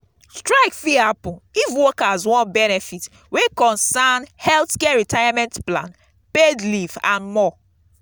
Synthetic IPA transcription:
stɹaɪkfiapʊivwɔkazwɔ̃nbɛnɛfit | wekɔ̃nsanhɛlθkɛɹitajamɛ̃ntplã̰n | pedlivã̰nmɔ

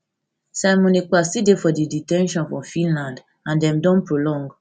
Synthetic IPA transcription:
samɔ̃nikwasidefɔdiditɛ̃nʃɔ̃nfɹɔ̃fĩnlãnd | ãndɛ̃mdɔ̃npɹolɔ̃ŋɡ

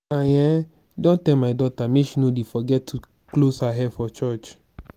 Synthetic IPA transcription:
ãjɛ̃ | dɔ̃ntɛmaɪdɔtameʃinodefɔɡɛtʰːu | klosaɦɛfɔt͡ʃɔt͡ʃ

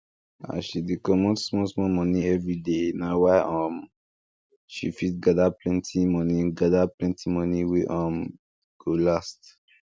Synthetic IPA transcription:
a̰ʃidekɔmɔ̃tsmɔ̃smɔmɔnĩɛvɹidenawaɪʔɔ̃m | ʃifitɡadaplɛ̃ntʰimɔnĩɡadaplɛ̃ntʰimɔnĩweʔɔ̃m | ɡ̥olast

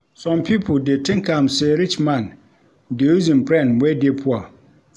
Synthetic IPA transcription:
sɔ̃mpʰipʰodetʰɪ̃ŋkʰãmsɛɾit͡ʃmãn | deuzĩmpʰɾɛ̃nwɛdepʰʊa

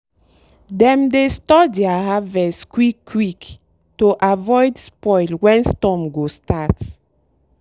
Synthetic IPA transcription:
dɛ̃mdestɔdɛahavɛskwikːwik | toʔavɔjdspɔjlwɛ̃nstɔmɡostat

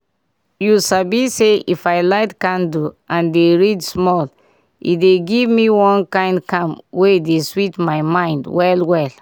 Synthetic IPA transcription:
jusabiseifajlaɪtkãnduʔãndeɹidsmɔl | ḭtdeɡivmiwɔ̃nkãɪ̃ndkãmwedeswitmaɪmãɪ̃ndwɛlwɛl

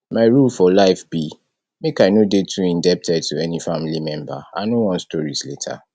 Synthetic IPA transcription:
maɪɹulfɔlaɪfbi | mekaɪnodetʰuĩndɛp̚tʰɛd̚tʰuɛnifamilimɛ̃mba̰a̰ɪnowɔ̃nstɔɹisletʰa̰

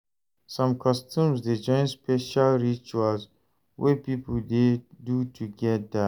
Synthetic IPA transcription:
sɔ̃mkʰɔstũmzdid͡ʒɔ̃ɪ̃nspɛʃalɹit͡ʃualz | wɛpipəldedutʰuɡɛt̚d̪a

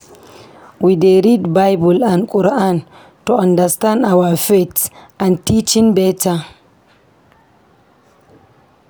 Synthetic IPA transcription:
wideɾidbajbulankʼuɾaan | tɔandastanawafetʔantit͡ʃinbɛta

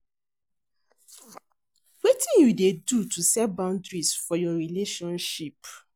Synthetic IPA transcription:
wetĩnjudedutusɛbãʊ̃ndɹisfɔjɔɹileʃɔ̃nʃip

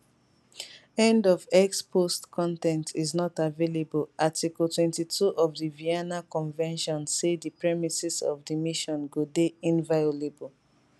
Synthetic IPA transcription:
ɛ̃ndɔvɛkspʰostkʰɔ̃ntɛ̃ntʰiznɔtavelebɔlatikɔltwɛ̃ntitʰuʔɔvdiviɛnakɔ̃nvɛ̃nʃɔ̃nsedipɹɛmisisɔ̰vdimiʃɔ̃nɡodeĩnvajolebɔl

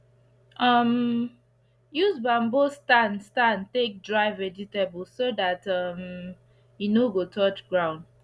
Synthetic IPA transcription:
ʔʌm | juzbãmbostãnstãntek̚dɹaɪvɛd͡ʒitablsodatʌm | inoɡotʰɔt͡ʃɡɹãʊ̃nd

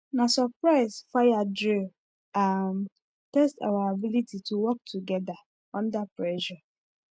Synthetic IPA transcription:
nasɔpɹaɪsfajadɹi | am | tɛsta̰waabilitituwɔk̚tʰuɡɛda | ɔ̃ndapɹɛʃa

